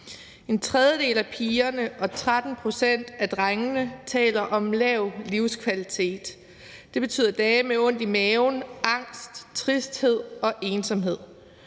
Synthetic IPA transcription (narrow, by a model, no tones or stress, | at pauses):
e̝nt͡sʰʁɛðˠjəd̥e̝ːlæpʰiːɐnəʔɒ̽t͡sʰʁad̥n̩pʰʁo̝sen̰d̥æd̥ʁaŋənət͡sʰɛ̰ːlɐʔɒ̽mlɛʊliʊskʰʋælit͡sʰe̝̰ːd̥ː | e̝b̥e̝t͡sʰy̰ːð̰ˠɐd̥ɛːmeɔ̽n̰d̥imɛːʊnɑ̈ŋ̰sd̥t͡sʰʁisd̥he̝ð̞̰ˠɒ̽ʔe̝ːnsɒ̽mɦe̝ð̰ˠ